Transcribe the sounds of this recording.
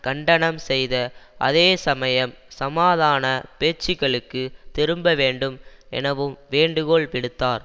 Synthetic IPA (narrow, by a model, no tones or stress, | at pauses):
kɐɳɖɐɳɐmsɛjðɐʔɐ̰ðeːsɐmɐjɐmsɐmaːðaːnɐpeːt͡ʃːɪɣɐɭɯkːɯt̪ɪɾɯmbɐʋeːɳɖɯmɛ̰nɐʋɯmʋeːɳɖɯɣoːɭpɪɽɯt̪ːaːɾ